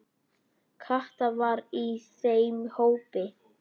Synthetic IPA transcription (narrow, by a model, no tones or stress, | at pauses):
kʰaht̪avaɾisejmhowpɪ